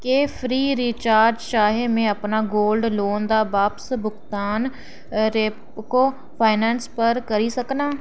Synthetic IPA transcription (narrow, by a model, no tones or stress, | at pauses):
keːpʰɾiːɾiːt͡ʃaːɾd͡ʒʃaːɦeːmẽəpnaːɡoːlɖloːnd̪aːbaːpsbʊɡt̪aːn | ɾeːp | koː | pʰaːɪnɛːnspəɾkəɾiːsəknaː